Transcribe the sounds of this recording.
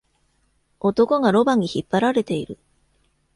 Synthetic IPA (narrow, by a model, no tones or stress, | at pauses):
o̞t̪o̞ko̞ɡaɾo̞baɲ̟içipːaɾaɾe̞t̪e̞iɾɯ̟